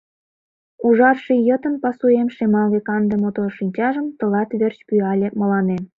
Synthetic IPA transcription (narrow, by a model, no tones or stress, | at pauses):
uʒɑrʃijət̪ə̆npɑsuemʃemɑlβekɑnd̪emot̪oʃinʲt͡ɕɑʒəmt̪ə̆lɑt̪βert͡ɕpyɑlʲemə̆lɑnem